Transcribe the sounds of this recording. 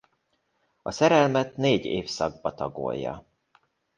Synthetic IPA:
ɒsɛɾɛlmɛt̪neːɟeːfsɒɡ̚bɒt̪ɒɡo̰jːɒ̰

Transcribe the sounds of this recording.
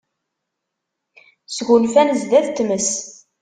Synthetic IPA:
sɡulfænzd̪æðt̪ːməs

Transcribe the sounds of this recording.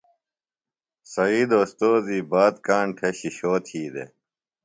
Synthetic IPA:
sɐiːd̪oːst̪oːziːbaːt̪kaːɳʈʰeɕiɕoːt̪ʰiːd̪ḛ

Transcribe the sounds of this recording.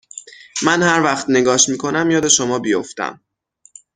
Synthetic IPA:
mænhæɾvæχt̪ne̞ɡɒːʃmiːkʰo̞næmjɒːd̪e̞ʃomɒːbijoft̪æ̰m

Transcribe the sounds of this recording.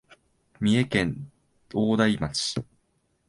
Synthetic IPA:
mʲie̞kẽ̞n | oːd̪aimat͡ɕi̥

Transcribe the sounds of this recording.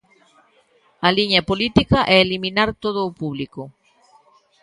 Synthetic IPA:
ɐliɲɐpolit̪ikɐʔɛeliminaɾt̪oðʊːpuβliko

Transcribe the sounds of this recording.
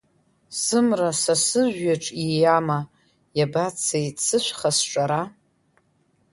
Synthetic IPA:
sɨmrasasɨʒʷᶣːaʈ͡ʂʼijama | jabat͡sʰejsʰɨʃʷχasʈ͡ʂʼaɾa

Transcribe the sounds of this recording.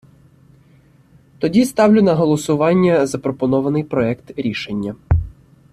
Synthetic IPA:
t̪ɔdʲist̪ɑwlʲʊnɐɦɔlˠɔsʊʋɑnʲːɐzɐpɾɔpɔnɔʋɐnɪjpɾɔɛkt̪ɾʲiʃenʲːɐ

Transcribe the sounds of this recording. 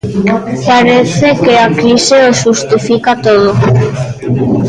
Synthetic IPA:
paɾeθekeakɾiseosʃʃust̪ifikat̪oð̞o

